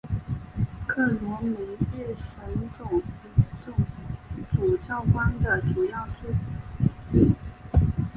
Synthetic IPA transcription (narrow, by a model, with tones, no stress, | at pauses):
kʰɤ˥˩nwɔ˧˥mi˧˥ɛ˥˩ʂə˧˥nʈ͡ʂo˨˩ʊ˧˥˩ | ŋ˥ʈ͡ʂu˨˩t͡ɕjɑ˥˩ʊkwa˥nd̪ə˨ʈ͡ʂu˨˩jɑ˥˩ʊʈ͡ʂe˥ | ti˨˩